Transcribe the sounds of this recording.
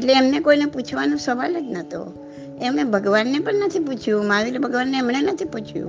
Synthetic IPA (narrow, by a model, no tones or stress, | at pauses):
eʈleːmnekoineput͡ʃʰʋanũsəʋaləd͡ʒ̪nət̪o̰ | emnebʱəɡʋanːepəɳnət̪ʰiput͡ʃʰjũmãʋilebʱəɡʋanːeːmɳenət̪ʰiput͡ʃʰjṵ̃